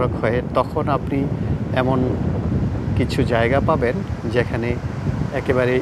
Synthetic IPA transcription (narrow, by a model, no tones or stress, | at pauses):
okɦɔet̪ɔkʰonapniɛmon | kit͡ɕʰud͡ʑaeɡapabend͡ʑekʰaneɛkebaɾe